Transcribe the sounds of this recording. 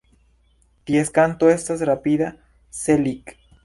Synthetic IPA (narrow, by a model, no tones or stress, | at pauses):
t̪jeskant̪oest̪asrapiða | selik